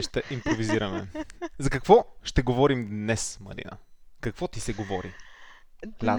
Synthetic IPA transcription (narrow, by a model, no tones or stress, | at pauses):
ɛʃt̪ɛʔimpɾoviziɾɐmɛzɐkɐkvɔʃt̪ɛɡovɔɾimd̪nɛsmɐ̰ɾḭnə̰kɐkvɔt̪isɛɡovɔɾḭ | a